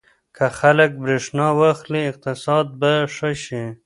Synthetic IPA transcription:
kʰaxalək̚bɾeʂnɑwaxliːq̚t̪ɪsɑːd̪̚baʂəʃi

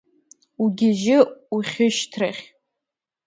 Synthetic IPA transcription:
uɡʲɪʒɪuχʲɪʃtʰraχʲ

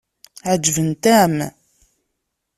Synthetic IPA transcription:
ʕəd͡ʒːvənt̪æm

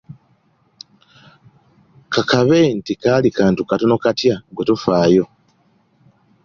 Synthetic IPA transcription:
kakaβentikalikaːntukatonokatjaɡotofaːjo̞

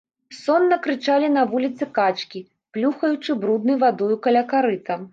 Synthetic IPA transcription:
sɔnːɐkɾɨt͡ʂalʲin̪ɐvulʲit̪sɨkat͡ʂkʲi | plʲuxɐjut͡ʂɨbɾud̪nɐjvad̪ɔjukɐlʲakaɾɨt̪ɐm

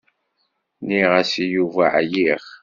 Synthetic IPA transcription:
niʁæsijuva̰ʕjiχ

